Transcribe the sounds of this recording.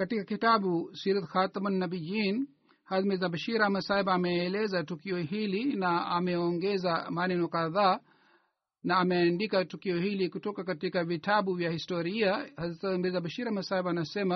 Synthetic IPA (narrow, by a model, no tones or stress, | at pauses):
katikakitaɓusiɾat̪xat̪amanːabid͡ʒin | hazmɛzabaʃiɾamasaibaːmɛːlɛzatukiɔhilinaamɛɔŋɡɛzamanɛnɔkaðaː | naːmɛandikatukiɔhilikutɔkakatikavitaɓuvjahistɔɾiahazmɛzabaʃiɾamasabaːnasɛma